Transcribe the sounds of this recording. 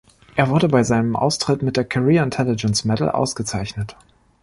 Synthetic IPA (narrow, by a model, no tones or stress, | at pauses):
ʔeːɐvʊɐdəbaɪzaɪnəmʔa̰ʊstʁ̥ɪtmɪt̚d̥eːɐkʰoʁiːɐɪntʰɛlɪd͡ʒənsmɛtl̩ʔa̰ʊsɡ̥ət͡saɪçnət